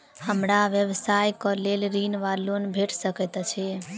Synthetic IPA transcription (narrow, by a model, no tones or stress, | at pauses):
həmɾaʋjəʋsajkɔlelɾinʋalonbʱeʈʰsəkɛt̪t͡ʃʰi